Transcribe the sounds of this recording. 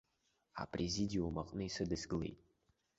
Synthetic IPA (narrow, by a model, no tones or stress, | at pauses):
a̰pʰʼrʔezidʲiumaqʼnɨisɨdɨsɡɨle̞̰jtʼ